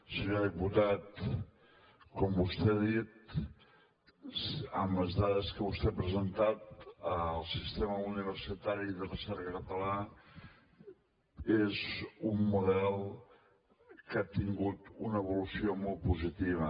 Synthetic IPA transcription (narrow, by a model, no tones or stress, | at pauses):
səɲoðiput̪at̪ | kɔmbust̪eaðit̪̚ | əməzðaðəskəβust̪ɛapɾəzənt̪at̪əlˠsist̪eməuniβ̞əɾsit̪aɾiðərəsɛɾkəkət̪əla | ezummuðɛlˠ | kat̪iŋɡut̪unəːβulusiomɔlˠt̪̚puzit̪iβ̞ə